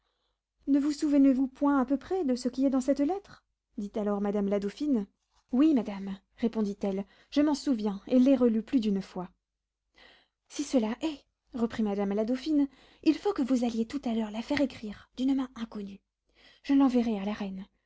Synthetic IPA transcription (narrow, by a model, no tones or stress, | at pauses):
nəvusuvənevupwɛ̃apøpχɛd̪əsəkʲiɛd̪ɑ̃sɛt̪lɛt̪χ | d̪it̪alɔʁmad̪amlad̪ofin | wimad̪am | ʁepɔ̃d̪it̪ɛl | ʒəmɑ̃suvjɛ̃elːɛʁəlyplyd̪ynfwa | sisəlaʔɛ | ʁəpχimad̪amlad̪ofin | ilfokəvuzaljet̪ut̪alœʁlafɛʁekχiʁd̪̥ynmɛ̃ɛ̃kɔny | ʒ̥əlɑ̃vɛʁɛalaʁɛn